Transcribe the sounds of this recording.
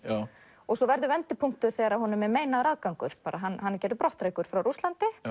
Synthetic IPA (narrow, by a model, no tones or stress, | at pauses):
ɔsɔvɛɾðʏvɛnt̪ɪpʰuŋ̥t̪ʏɾ̥θɛːɣaɾahunʏmɛɾmeːjnaɾaːðkawŋkʏ̰ɾ̥paːɾaɦanːɦanːɪcɛɾðʏpɾɔht̪ɾeːjkʏɾ̥fɾawɾust̪lant̪ɪ